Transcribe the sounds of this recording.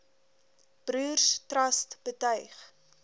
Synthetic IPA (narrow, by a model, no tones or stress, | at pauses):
b̥rʉːrstrɐstb̥ətœɥχ